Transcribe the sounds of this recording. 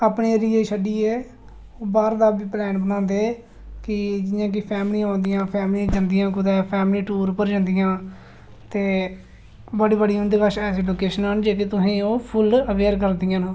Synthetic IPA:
aːpɳeːɾiːeːʃəɖiːɛː | oːbaːɾd̪aːbiːplɛːnbənãːnd̪eː | kɪd͡ʒɪjãːk̬ɪpʰɛːmliõːnd̪ijãːpʰɛːmlĩːd͡ʒãːnd̪ɪjãːkʊd̪ɛːpʰɛːmliːʈuːɾpəɾd͡ʒãːnd̪ɪjãː | t̪eː | bəɽiːbəɽiɦʊ̃nd̪eːbəʃɛːseːloːkeːʃənɦənd͡ʒeːkeːt̪ʊsĩːoːpʰʊləʋeːɾk̬əɾd̪ijãːnː

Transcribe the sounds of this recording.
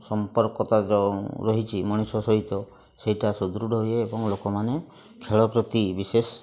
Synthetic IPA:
sɔmpɔɾkɔt̪ad͡ʒɔɾɔɦit͡ʃʰimɔɽ̃isɔsɔɦit̪ɔ | seiʈasud̪ɾuɖʱɔɦujeːbɔŋlokɔmane | kʰeɭɔpɾɔt̪ibises

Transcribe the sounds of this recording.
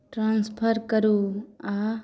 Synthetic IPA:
ʈɾãnspʰəɾkəɾua

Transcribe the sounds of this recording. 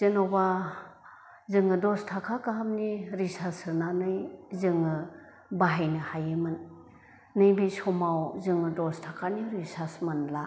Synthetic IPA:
zɯnoba | zɯŋɯdɔstʰakʰakaɦamniɾisasɯnanɯjzɯŋɯ | baɦajnɯhajemɯnː | ɯjbisɔmawzɯŋɯdɔstʰakʰaniɾisasmanla

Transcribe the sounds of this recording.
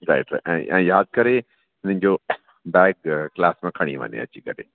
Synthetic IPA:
ɾa̰ɪʈʔɛ̃ʔɛ̰̃ːjaːd̪̚kɐɾe | ɦɪn̤ə̃n̆d͡ʑoː | bɛːɡ̚klaːsmẽkʰɐɽ̃ḭʋɐ̰̃nḛɐ̰t͡ɕikɐɾḛː

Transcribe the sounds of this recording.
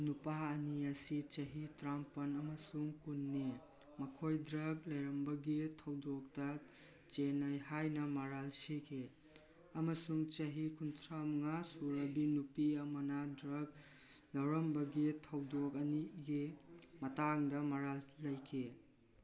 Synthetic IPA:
nupaɐniɐsit͡ʃɐɦitɾampɐnɐmɐsuŋkunːe | mɐkʰojdɾɐɡ̚lɐjɾɐmbɐɡitʰɐwdɔk̚tɐ | t͡ʃenɐjhajnɐmɐɾalsikʰe | ɐmɐsuŋt͡ʃɐɦikʰuntʰɾamɐŋasuɾɐbinupiɐmɐnɐdɾɐɡ̚ | lɐwɾɐmbɐɡitʰɐwdokɐniɡimɐtaŋdɐmɐɾalːɐjkʰe

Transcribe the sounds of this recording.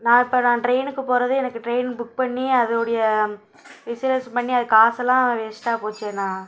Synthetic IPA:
nãːɪpːoːnãːʈɾeɪnɯkːɯpoːɾɐðɯɛnɐkːɯʈɾeɪnbʊk̚pɐɳːiɐðɯɔɽɐjɐ | ʋɪsɪlɐspɐɳːiɐðɯkːaːsɛlːãːʋeːsʈːaːpoːt͡ʃːẽːnãː

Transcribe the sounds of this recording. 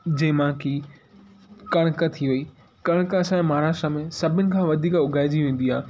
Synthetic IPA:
d͡ʑɐ̃ɦmãːki | kɐɽ̃kət̪ʰiʋɐiː | kɐɽ̃kəɐsãmaaːɾaːʃʈɾəmẽsɐbʱɪnɪ̆kʰãːʋɐd̪ʱiːkʊɡʱaːɪd͡ʑiʋẽːn̆d̪iaː

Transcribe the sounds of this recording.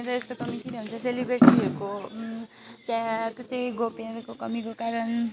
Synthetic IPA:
ɾʌest̪okʌmikʰiɾeɦunt͡sʰʌselibeɾʈiɦʌɾuko | t͡sãkt͡saĩɡopeɾʌkokʌmikokaɾʌn

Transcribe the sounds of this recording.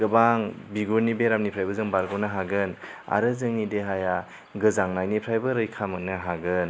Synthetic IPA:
ɡɯbaŋbiɡuɾnibeɾamnipʰɾajbɯzɯŋbaɾɡɔnaɦaɡɯna̰ɾɯzɯŋideɦaja | ɡɯzaŋnajnipʰɾajbɯɾɯjkʰamɯnɯɦaɡɯn

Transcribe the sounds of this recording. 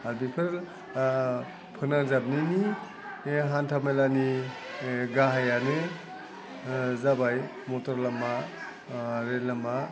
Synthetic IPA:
albipʰɯɾ | pʰɯnaŋzab̚nini | ɦantʰamajlani | ɡaɦajanɯ | zabaj | mɔtɔɾlama | ɾelama

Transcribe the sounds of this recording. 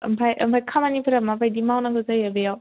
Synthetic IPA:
ɯ̰mpʰajʔɯ̰mpʰajkʰamanipʰɯɾamabajdimawnakʰɯzaabejaw

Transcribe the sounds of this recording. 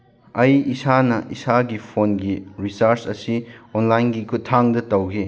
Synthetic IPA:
ɐjisanɐʔisaɡipʰonɡiɾisaɾsɐsionlajnɡikʰutʰːaŋdɐtɐwɡi

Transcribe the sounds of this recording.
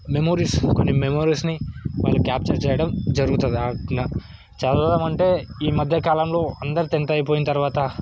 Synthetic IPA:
memoːɾiːskonːimemoːɾiːsniʋa̰ːɭːukʲjaːp̚t͡ʃɐɾt͡ʃɛːjɐɽɐmd͡ʒɐɾuɡut̪und̪ianɐ | t͡ʃɛlɐd̪ɐmɐɳʈe̞ːiːmɐd̪ʱjɐkaːlɐmlo̞ːɐnd̪ɐɾit̪ent̪ɐjɐp̬oːjinɐt̪ɐɾʋaːt̪ɐ

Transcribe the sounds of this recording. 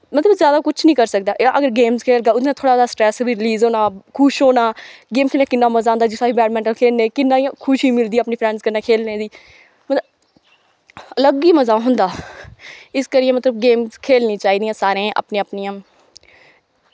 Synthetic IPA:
mət̪ləbzjaːd̪aːkʊt͡ʃʰnĩːkəɾsək̚d̪aːʔʔəɡəɾɡeːmzkʰeːlɡaːʊd̪nãːt̪ʰoːɽaːdaːsʈɾɛːsbiːɾɪliːzoːnãːkʰʊʃɦoːnaːɡeːmkʰeːlnaːkɪnːãːməzaːɦʊnd̪aːd͡ʒɪsaːiːbɛːʈmɛ̃ɳʈəlkʰeːlneːkɪnːãːĩkʰʊʃiːmɪld̪iːaːpniːpʰɾɛ̃ːɳskəɾnːaːkʰeːlnẽːd̪iː | mət̪əb | ələɡiːməzaːɦʊnd̪aː | ɪskəɾɪjẽːmət̪ləb̚ɡeːmzkʰeːlnĩːt͡ʃaːiːd̪ijãːsaːɾẽːʔa̰pnẽːəpnijãː

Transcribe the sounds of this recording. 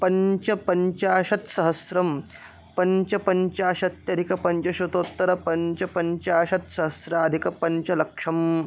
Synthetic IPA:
pɐɲt͡ʃɐpɐɲt͡ʃaːʃɐt̪sɐɦɐsɾɐm | pɐɲt͡ʃɐpɐɲt͡ʃaːʃɐt̪jɐd̪ʱikɐpɐɲt͡ʃɐʃɐt̪oːt̪ːɐɾɐpɐɲt͡ʃɐpɐɲt͡ʃaːʃɐt̪sɐɦɐsɾaːd̪ʱikɐpɐɲt͡ʃɐlɐkʂɐm

